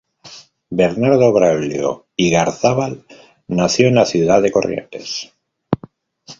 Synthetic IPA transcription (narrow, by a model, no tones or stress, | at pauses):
be̞ɾnaɾðo̞βɾaljo̰ | iɣaɾθaβal | naθjo̞enlaθjuðaðe̞ko̞rjḛnt̪e̞̰s